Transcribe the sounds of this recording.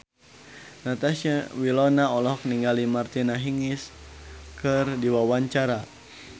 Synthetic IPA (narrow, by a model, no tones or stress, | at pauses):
nat̪aʃawilɔnaɔlɔkniŋɡalimart̪inaɦiŋis | kʰɨrdiwawaɲt͡ʃaɾa